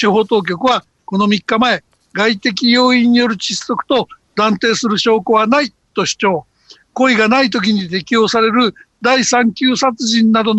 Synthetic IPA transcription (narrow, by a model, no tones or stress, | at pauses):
ɨɦo̞ːt̪o̞ːk̬ʲo̞kɯ̟βa | ko̞no̞mʲikːamae̞ | ɡait̪e̞kʲijo̞ːĩɲ̟ːijo̞ɾɯ̟t͡ɕisːo̞kɯ̥t̪o̞d̪ãnt̪e̞ːsɨɾɯ̟ɕo̞ːkoβanai | t̪o̞ɕi̥t͡ɕo̞ː | ko̞iɡanait̪o̞k̬ʲiɲ̟it̪e̞kʲijo̞ːsaɾe̞ɾɯ̟ | d̪aisãŋkʲɨːsat͡sɨʑĩnːad̪o̞n